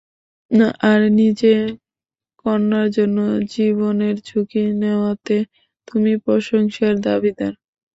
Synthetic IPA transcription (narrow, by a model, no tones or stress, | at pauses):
ʔaɾnid͡ʑe | kɔɾnaɾd͡ʑonːod͡ʑiboneɾd͡ʑʰukineoat̪e | t̪umipɾoʃoŋʃaɾd̪abid̪aɾ